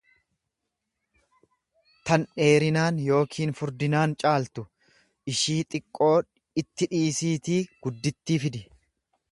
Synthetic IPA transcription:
t̪ɐnᶑe̞ːɾɪnaːnjo̞ːkʰiːnfʊɾd̪ɪnaːnt͡ʃʼaːlt̪ʊ | ʔɪʃiːt̪ʼɪkʼːo̞ː | ɪt̪ːɪᶑiːsiːt̪iːɡ̥ʊd̪ːɪt̪ːiːfɪd̪ɪ

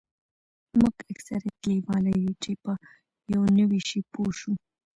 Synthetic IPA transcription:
muɡaksaɾakewɑlajut͡ʃepə | jawnəwiʃipoʃu

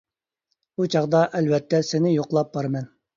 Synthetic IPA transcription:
ut͡ʃʰɑʁd̪ɑʔɛlvɛt̪ʰːɛsɪnɪjoqlˠɑp̚bɑɾmɛn

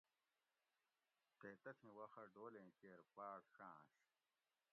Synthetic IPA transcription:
t̪et̪ɐt̪ʰĩwɐxɐɖoːlẽːt͡ɕeːɾpaːɽxãːɕ

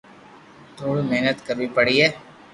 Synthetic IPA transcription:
t̪ʰoːɽimeɦnət̪kəɾʋipəɽiɦɛː

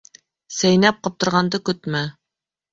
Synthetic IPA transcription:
sæjnæp̚qɑp̚t̪ɤ̆ɾʁɑnd̪ɤkɵt̪mæ

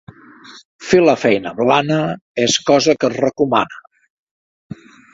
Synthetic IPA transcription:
feləfɛjnəβlanəeskɔzəkəzrəkuma̰nə

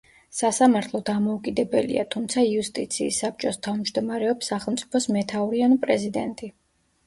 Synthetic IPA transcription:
sasamaɾt̪ʰlˠɔd̪amɔukʼid̪ɛbɛlḭa̰t̪ʰumt̪sʰaiust̪ʼit̪sʰiːsːap̚t͡ʃʼɔst̪ʰavmd͡ʒd̪ɔmaɾɛɔpsːaχɛlˠmt̪sʼi̥pʰɔsmɛt̪ʰauɾianupʼɾɛzid̪ɛ̰nt̪ʼi

